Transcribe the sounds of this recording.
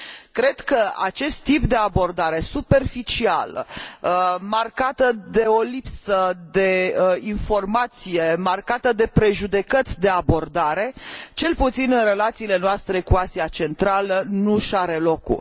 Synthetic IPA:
kɾe̞d̪kəa̰t͡ʃe̞st̪ːip̚d̪e̞abo̞rd̪aɾe̞supe̞rfit͡ʃia̰ləmarkat̪əd̪e̞o̞lipsəd̪e̞info̞rmat̪sije̞markat̪əd̪e̞pɾe̞ʒud̪e̞kət̪sʲd̪e̞abo̞rd̪aɾe̞t͡ʃe̞lput̪sinɨnre̞lat̪siːle̞noast̪ɾe̞kuasiat͡ʃe̞nt̪ɾalənuʃaɾe̞lo̞kṵ

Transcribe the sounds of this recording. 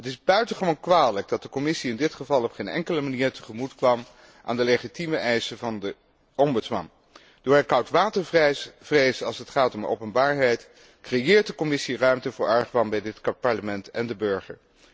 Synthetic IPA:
ɦətɪzbœɥtəχəʋonkʋaːləɡ̚dɑt̚dəkɔmɪsiɪndɪtχəvɑlˠɔpχeːnɛ̰ŋkələmaniːɹtəχəmutkʋɑm | ʔa̰ːndəleχitiməʔɛjsəvɑndə | ɔmbɵsmɑ̰n | d̥ʊːɹɦɛjkɑwtʋaːtəɹv̥rejsɑlˠsətχaːtɔmo̰wpənbaːɹɦɛjt | krejɪːɹt̚dəkɔmɪsirœɥmtəvʊːɹɑɹχʋɑnbɛjdɪtpɑɹləmɛntɛndəbøɹχə̰ɹ

